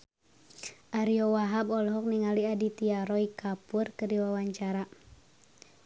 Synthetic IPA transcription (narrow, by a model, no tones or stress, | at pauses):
ʔaɾiɔwaɦabɔlɦɔk̚niŋaliadit̪iaɾɔikapurkərdiwawaɲt͡ʃaɾa